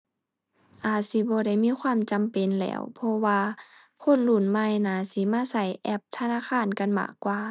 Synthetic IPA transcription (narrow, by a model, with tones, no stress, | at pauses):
ʔaː˨˩t̪̚si˧˦bɔː˧˦da˧˩jmiː˧˥˨kʰwaː˧˥˨mt͡ɕa˨mpe˨nlɛ̰ː˧˥wpʰɔ˧waː˧ | kʰo˧˥˨n̚lu˧˩˨nma˧˥˨jnaː˧˩si˧˦maː˧˥˨sa˧˩jʔɛ˧˩p̚t̪ʰa˧naː˧˥˨kʰaː˧˥˨nka˧˨nma̰ː˧˩kːwaː˧